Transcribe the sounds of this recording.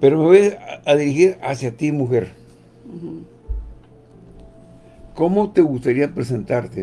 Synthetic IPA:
peɾomeβojaðiɾixiɾasjat̪imuxeɾ | komot̪eɣust̪aɾiapɾesent̪aɾt̪e

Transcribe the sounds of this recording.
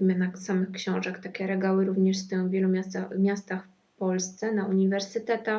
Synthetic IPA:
imɘnasamɘxkɕɔ̃w̃ʐɛkt̪akʲɛɾɛɡawɘɾuvɲɛʂst̪ɘ̃vʲjɛlumʲaamʲjast̪axf | pɔlst̪sɛnauɲivɛɾsɘt̪ɛt̪a

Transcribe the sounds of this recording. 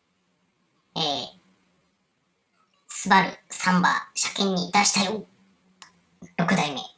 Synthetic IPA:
e | sɨbaɾɯ̟̰sãmba̰ɕakẽ̞ɲ̟ːid̪aɕi̥t̪ajo | ɾo̞kɯ̟d̪aime̞̰

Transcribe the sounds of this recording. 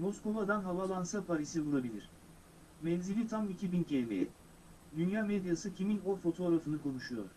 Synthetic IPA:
mo̞sko̞vad̪anɦavalˠansapʰaɾisibulˠabilʲiɾ̥ | mɛnzilʲit̪ʰamicʰibincʰelmḛjɛ̰ | d̪ynjaːmed̪jasɯcʰiminofo̞t̪ʰo̞ːɾafɯnɯkʰo̞nuʃujo̰ɾ̥

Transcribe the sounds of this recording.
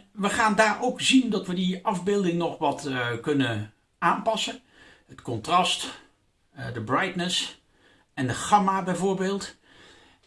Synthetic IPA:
ʋəχaːndaːɹowkzindɑtʋədiʔɑvbɪːlˠdɪŋnɔχʋɑtkɵnə | aːnpɑsən | ətkɔntrɑst | dəbrɛjtnəs | ɛndəχɑmaːbɛjvʊːɹbeːlˠt

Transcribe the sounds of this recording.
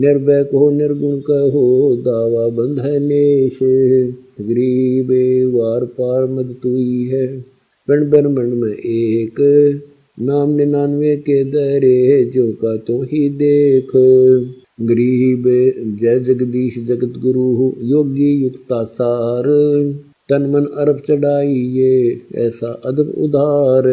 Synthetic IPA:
nɪɾbɛːkɦoːnɪɾɡʊɳkaɦoːd̪aːʋaːbənd̪ɦɛːneːʃ | ɡəɾiːbeʋaːɾpaːɾməd̪t̪uːiːɦɛː | pɪɳbəɾməɳmɛ̃ʔeːk | naːmnenaːnʋeːkeːd̪ɛɾeːɦed͡ʒõːkaːt̪õːɦiːd̪eːkʰ | ɡɾiːbed͡ʒɛːd͡ʒəɡd̪iːʃd͡ʒəɡət̪ɡʊɾuɦjoːɡijʊkt̪aːsaːɾ | t̪ɐnmənəɾəpʰt͡ʃəɽaːiɦeːɛ̰ːsaːʔəd̪əbʊ̰d̪aːɾ

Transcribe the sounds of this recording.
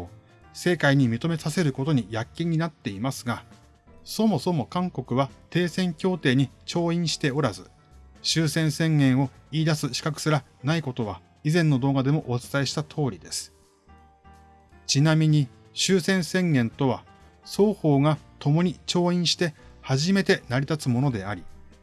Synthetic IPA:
se̞ːkaiɲ̟imʲit̪o̞me̞sase̞ɾɯ̟ko̞t̪o̞ɲ̟ijakʲːĩɲ̟ːinat̪ːe̞imasɨɡa | so̞mo̞so̞mo̞kãŋko̞kɯ̟β̞at̪e̞ːsẽ̞ŋkʲo̞ːt̪e̞ːɲ̟it͡ɕo̞ːĩɰ̃ɕi̥t̪e̞o̞ɾazɨ | ɕɨːsẽ̞ɰ̃sẽ̞ŋɡẽ̞ɰ̃o̞iːd̪asɨɕi̥kakɯ̟̥sɨɾa | naiko̞t̪o̞β̞a | izẽ̞nːo̞d̪o̞ːɡad̪e̞mo̞ʔot͡sɨ̥t̪aiɕi̥t̪at̪ʰo̞ːɾʲid̪e̞sɨ̥ | t͡ɕinamʲiɲ̟i | ɕɨːsẽ̞ɰ̃sẽ̞ŋɡẽ̞nt̪o̞βa | so̞ːho̞ːɡat̪o̞mo̞ɲ̟it͡ɕo̞ːĩɰ̃ɕi̥t̪e̞haʑime̞t̪e̞naɾʲit̪at͡sɨmo̞no̞d̪e̞aɾʲi

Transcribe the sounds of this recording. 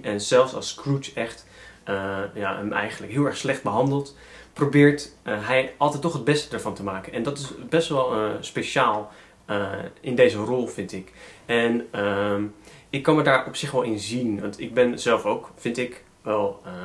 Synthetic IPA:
ɛnz̥ɛlˠfsɑ̰lˠskrutɛχt | əjaːəmɛ̰jχəndləkɦɪːlˠɛɹχslɛχd̚bəɦɑndəlˠt | probɪːɹtɦɛjɑlˠtɛjtːɔχɦəd̚bɛstədəɹvɑntəmaːkənɛndɑtɪsbɛstʋɛlˠspeʃaːlˠ | ɪndejzərɔlˠfɪntɪkɛnəmɪkːɑnməɹdaːɹɔpsɪχʋɛlˠɪnzinʋɑntɪɡ̚bɛnzɛlˠfowkfɪntɪk | ʋɛlˠə

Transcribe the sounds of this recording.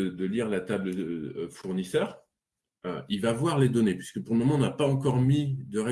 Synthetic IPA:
d̪əliʁlat̪abləøfuʁnisœːʁ | ø̰ilvavwaʁled̪ɔnepɥisə̥kəpuʁləmɔmɑ̃ɔ̃napaɑ̃kɔʁmid̪əʁe

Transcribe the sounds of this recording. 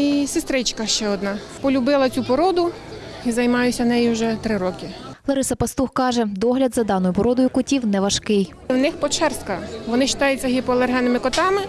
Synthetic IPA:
isɪst̪ɾɪt͡ʃkɐʃt͡ʃɛɔd̪nɑ | pɔlʲʊbɪlˠɐt͡sʲupɔɾɔd̪ʊ | izɐjmɑjʊsʲɐnɛjiuwʒɛt̪ɾɪɾɔkɪlˠɔɾɪsɐpɐst̪uxkɑʒɛd̪ɔɦlʲɐd̪zɐd̪ɑnɔjʊpɔɾɔd̪ɔjʊkʊtʲiwnɛʋɐʃkɪj | wnɪxpɔt͡ʃɛrskɐʋɔnɪʃɪ̥t̪ɑjʊt͡sʲːɐɦipɔlˠerɦɛnɪmɪkɔt̪ɑmɪ

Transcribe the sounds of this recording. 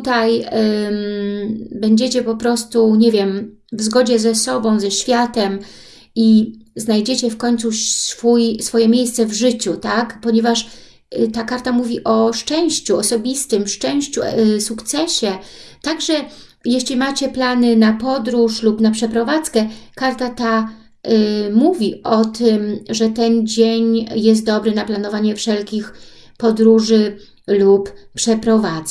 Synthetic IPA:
t̪t̪aj | bɛɲd͡ʑet͡ɕɛpɔpɾɔst̪uɲevʲjɛm | vzɡɔd͡ʑɛzɛsɔbɔ̃w̃zɛɕfʲjat̪ɛm | iznajd͡ʑet͡ɕɛfkɔɲt̪susfujsfɔjɛmʲjejst̪sɛvʐɘt͡ɕut̪akpɔɲevaʂ | t̪akaɾt̪amuvʲiʔɔʂt͡ʂɛ̃w̃ɕt͡ɕuɔsɔbʲist̪ɘmʂt͡ʂɛ̃w̃ɕt͡ɕṵsukt̪sɛɕɛt̪aɡʐɛjɛɕlʲimat͡ɕɛplanɘnapɔd̪ɾuʂlupnapʂɛpɾɔvat̪skɛkaɾt̪at̪a | muvʲiʔɔt̪ʰɘmʐɛt̪ɛnd͡ʑeɲjɛs̬t̪̚d̪ɔbɾɘnaplanɔvaɲɛfʂɛlkʲix | pɔd̪ɾuʐɘ | luppʂɛpɾɔvaz

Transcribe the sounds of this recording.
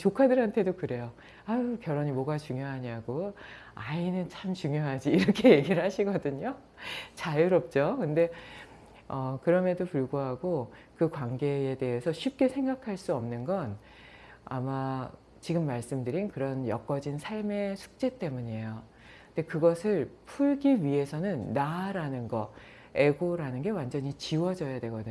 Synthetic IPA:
t͡ɕokʰadɯɾɦantʰe̞dokɯɾe̞jo | akjʌɾʌɲimʌɡat͡ɕuŋjoɦaɲaɡo | ainɯnt͡ɕʰamt͡ɕuŋjoɦad͡ʑiːɾʌkʰe̞je̞ɡiɾɯɭhaɕʰiɡʌdɯɲo | t͡ɕajɯɾʌp̚t͡ɕ͈okɯnde̞ | ʌkɯɾʌmʌdopuɭɡoɦaɡokɯkwaŋɡe̞ede̞ɦesʰʌɕʰɥip̚k͈e̞sʰeŋɡakʰaɭs͈uʌmnɯnɡʌn | a̰ma | t͡ɕiɡɯmːaɭs͈ɯmdɯɾinkɯɾʌnjʌ̰k͈ʌd͡ʑinsʰaɭme̞sʰu̥k̚t͡ɕ͈e̞t͈e̞muɲejo | kɯnde̞kɯɡʌsʰɯɭpʰuɭɡiɥiɦe̞sʰʌnɯnːaɾanɯnɡʌ | e̞ɡoɾanɯnɡe̞wand͡ʑʌɲit͡ɕiwʌd͡ʑʌjadwe̞ɡʌdɯ

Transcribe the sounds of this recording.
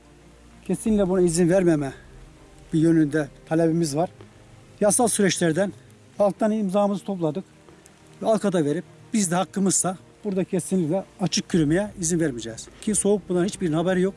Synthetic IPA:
cʰesinʲicʲlʲɛbunaizinvæɾmɛmɛ | bijø̞nynd̪ɛt̪ʰalʲebimizvaɾ̥ | jasalˠsyɾɛt͡ʃlʲæɾd̪æn | alˠk̚t̪ʰanimzaːmɯzɯt̪ʰo̞plˠad̪ɯk | vɛalˠkʰad̪ave̞ɾip̚b̥izd̪ɛhakːɯmɯz̥sa | b̥uɾd̪acʰesinlʲicʲlʲɛat͡ʃʰɯk̚cʰyɾymejɛizinvæɾmid͡ʒɛːz̥cʰiso̞uk̚bunˠanhit͡ʃbiɾnabɛɾijo̞k̚

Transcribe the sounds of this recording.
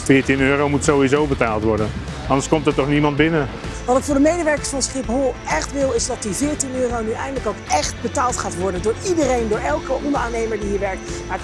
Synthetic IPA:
fɪːtinøːɾowmutsowizowbətaːlˠtʋɔɹdən | ɑndəskɔmtəɹtɔχnimɑnd̚bɪnə | ʋɑtɪkfʊːɹdəmejdəʋɛɹkəsfɑnsχɪpɦolˠɛχtʋɪlˠɪzdɑt̚divɪːɹtinøːrownyʔɛ̰jndələkowkɛχt̚bətaːlˠtχaːtʋɔɹdəndʊːɹidərejndʊːɹɛlˠkəʔɔndəɹʔaːnejməɹdiɦiːɹʋɛɹk̚tmaːɹ

